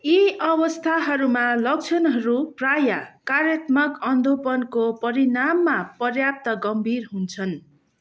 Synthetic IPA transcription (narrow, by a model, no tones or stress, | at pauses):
iʌbʌst̪ʰaɦʌɾumalʌk̚t͡sʰʌnɦʌɾuprajakaɾjʌt̪mʌkʌnd̪ʱopʌnkopʌɾinamːapʌrjap̚t̪ʌɡʌmbʱirɦunt͡sʰʌn